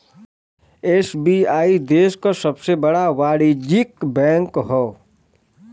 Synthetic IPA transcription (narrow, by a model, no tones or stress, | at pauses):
eːsbiaːid̪eːʃkasɐbsebɐɽaʋaːɽid͡ʒikbɛ̃ːŋkɦoː